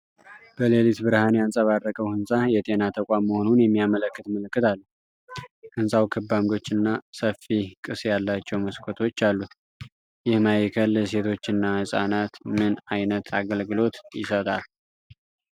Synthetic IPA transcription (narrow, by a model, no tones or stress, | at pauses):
b̥əlelit̪bɨɾhanjansʼəβarːəkʼəwhɨnsʼajɛt̪ʼe̞nat̪ʰəkʷʼamːəho̞nunjɛmːijamələkːɨt̪məlɨkːɨt̪ʰalːu | hɨnsʼawkʰɨbːamɡ̪o̞t͡ʃːɨnːasəfːikʼɨsjalːat͡ʃːɛwməskʰot̪ʰo̞t͡ʃːalːu | jɪhmajɛkʰəls̬e̞t̪ʰo̞t͡ʃːɨnːahɨsʼa̰nat̪mɨnajnət̪ʰaɡəlɡɨlo̞t̪jɪ̰sət̪ʼal